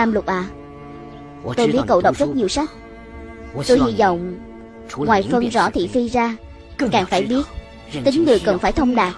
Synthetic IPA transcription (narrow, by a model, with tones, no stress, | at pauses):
aː˧mlʊ˨˩t̚ɓaː˨˩ | t̪o˧jɓi˦˥t̚kə̰˧˨wɗə˨˩wk͡p̚zə˦˥t̚ɲi˨˩əwsa˦˥jk̟̚ | t̪o˧jhi˧zɔ̰˧˨wŋ͡m | ŋwaː˨˩jfə˧nzɔ̰˧˥t̪ʰḭ˧˨fi˧zaː˧ | kaː˨˩ŋfaː˧˩jɓi˦˥ət̚ | t̪ï˨˦ŋ̟ŋɨ˨˩əjkə˨˩nfaː˧˩jt̪ʰə˧wŋ͡mɗaː˨˩k̚